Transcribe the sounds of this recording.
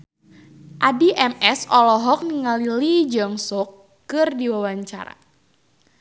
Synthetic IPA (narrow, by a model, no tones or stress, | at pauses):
ʔadiʔɛmɛsɔlɔɦɔk̚niŋalilid͡ʒaŋsɔkː | ɨrdiwawaɲt͡ʃa̰ɾa̰